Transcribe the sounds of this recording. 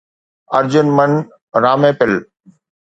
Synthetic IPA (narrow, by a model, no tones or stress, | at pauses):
ɐɾd͡ʑʊnmən | ɾaːmẽːpɪl